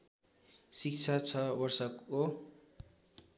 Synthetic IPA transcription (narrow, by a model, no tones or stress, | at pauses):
sikt͡sʰat͡sʰʌbʌrsʌko